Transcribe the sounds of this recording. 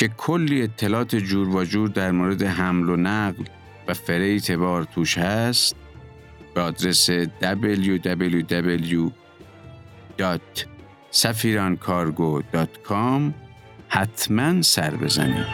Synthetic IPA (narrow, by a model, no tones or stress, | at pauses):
cʰe̞kʰolːiːet̪ʰːelɒːt̪ʰed͡ʒuːɾbɒːd͡ʒuːɾd̪æɾmoːɾe̞d̪eɦæmlonæɢl | væfeɾejt̪ʰe̞βɒːɾt̪ʰuːʃhæst̪̚ | b̥eɒːd̪ɾesed̪æbeljud̪æbeljud̪æbelju | d̪̥ɒːt̪ | sæfiːɾɒːnkʰɒːɾɡod̪̥ɒːt̪kʰɒm | hæt̪ʰmænsæɾbe̞zæ̰nḭːd̪